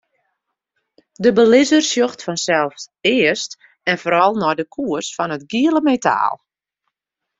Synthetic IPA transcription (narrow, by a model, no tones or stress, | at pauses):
dəbəlɪzərsjoxtfɔnsɛlˠfsɪəst | ɛnfoːɾɔlˠnɔjdəkʰuərsfɔnətɡiələmetʰa̰ːlˠ